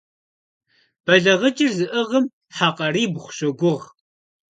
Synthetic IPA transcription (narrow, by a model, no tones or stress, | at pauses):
b̥ɐɮɐʁət͡ʃʼɪrzɨʔəʁəm | ħaːqʼɐriːbχʷʊ̥ɕɐɡʷʊʁ